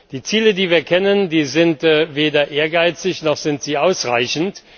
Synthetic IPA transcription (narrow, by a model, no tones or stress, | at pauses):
d̥iːt͡siːlədiːviːɐkʰɛnəndiːzɪntveːdɐʔeːɐɡaɪt͡sɪçnɔχz̥ɪntz̥iːʔaʊsʁa̰ɪçn̩t